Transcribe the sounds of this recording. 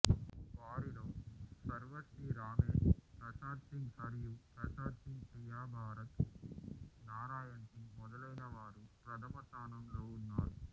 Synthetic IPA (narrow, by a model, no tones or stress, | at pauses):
ʋaːɾiɾɐmsɐɾʋɐʈiɾaːmeːʂpɾɐʂaːɾt̪iŋsɐɾjupɾɐsaːt̪iŋpɾijaːbʱaːɾɐt̪ | naːɾaːjɐɳʈimɔd̪ɐlɐjnɐʋaːɾupɾɐd̪ʰʱɐmɐt̪aːnɐmloːunːaːɾu